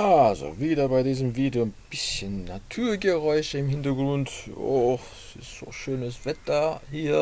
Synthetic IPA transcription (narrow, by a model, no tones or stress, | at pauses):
ʔalzo̰viːdɐbaɪdiːzəmviːdonb̥ɪsçənːatʰuːɐɡəʁɔʏçəɪmhɪntɐɡʁʊnto̰x | sɪstz̥o̰ːʃøːnəsv̥ɛtɐhiːɐ